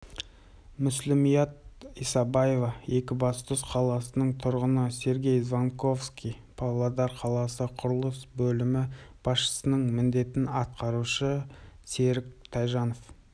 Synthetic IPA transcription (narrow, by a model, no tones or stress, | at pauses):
mʏslɪmijɑt̪̚isɑbɑjevɑe̞kʲɪbɑst̪ʊsqʰɑlˠɑsənəɴt̪ʰʊɾʁənəse̞ɾɡʲe̞jzvaŋko̞fskʲijpʰavlˠad̪ɑɾqʰɑlˠɑsəqʰʊɾəlˠəsbɵlɪmɪb̥ɑsʃə̥sənəɴmɪnd̪e̞t̪ɪnɑt̪̚qɑɾuʃəse̞ɾɪk̚t̪ʰɑjʒɑno̞f